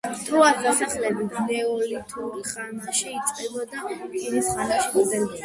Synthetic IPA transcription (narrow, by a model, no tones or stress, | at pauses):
t̪ʰuazasaχlɛbid̪znɛɔlit̪ʰuχanaʃɛit̪sʼqʼɛbɔd̪apʰinisχanaʃibɔd̪ɛɾbi